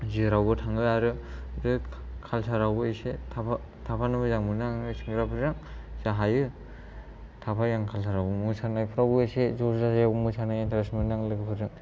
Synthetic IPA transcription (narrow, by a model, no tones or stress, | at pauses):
zɯɾawɡɯtʰaŋɡɯaɾɯdɯkʰalsʰaɾawɡɯesetʰapʰa | tʰapʰanɯmɯzaŋmɯnaŋŋɯsʰɯŋɡɯɾapʰɯɾzaŋz̥aɦajɯ | tʰapʰajaŋkʰalsʰaɾawbɯmɯsʰanajpʰɯɾawɡɯesezɔzajaɡɯmɯsʰanajentʰaɾasmɯnaŋlɯɡɯpʰɯɾdɯŋ